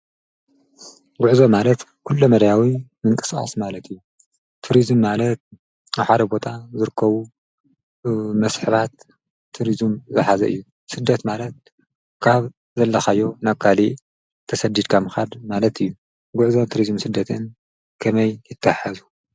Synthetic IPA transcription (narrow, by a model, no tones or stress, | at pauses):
ɡʊʕzo̞malɐt̪kʰulːomɐd̪jawimɨŋkʼɨ̥skʼa̰smalɐt̪ʰɨjːu | t̪ʰuɾizmːalɐt̪̚ | aħad̪ɐbo̞t̪ʰʼazɨɾɨkʰːɐβu | mɐsħɨβat̪ʰː | uɾizmzɨħazɐʔɨ̰jːu | sɨd̪ːɐt̪malɐt̪̚ | kʰaβ | zɐlːɐxajːo̞nakʰːali | t̪ʰɐsɐd̪id̪kʰamɨxad̪malɐt̪ʰɨjːu | ɡʊʕzot̪ʰuɾizmsɨd̪ːɐt̪ʰɨn | kʰɐmɐjjɪt̪ʰːaħazu